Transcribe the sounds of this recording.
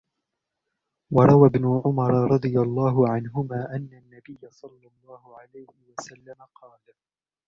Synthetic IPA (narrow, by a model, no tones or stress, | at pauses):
wɑɾˤɑwabnʊʕʊmɑɾˤɑɾˤɑd̪ˤɨjalˤːɑːɦʊʕanɦʊmaːʔanːanːabɪjːasˤɑlːɑlˤːɑːhʊʕalajhɪwasalːamaqʰɑːl